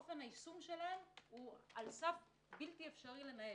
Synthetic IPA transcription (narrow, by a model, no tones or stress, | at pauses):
ofe̞naisumʃe̞laemhualsaf | biltiefʃaʁile̞nael